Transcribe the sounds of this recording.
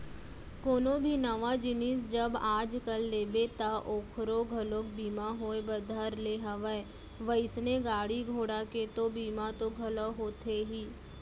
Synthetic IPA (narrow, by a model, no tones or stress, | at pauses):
koːnõbʱinɐʋad͡ʒɪnɪs̬d͡ʒɐbaːd͡ʒkɐlːeːbet̪aʔoːkʰɾoɡʱɐlok̚biːmaɦoːebəd̪ʱəɾleɦɐʋəe | ʋəɪsneɡaːɽiɡʱoːɽaket̪obiːmat̪oɡʱɐləɦoːt̪ʰeɦiː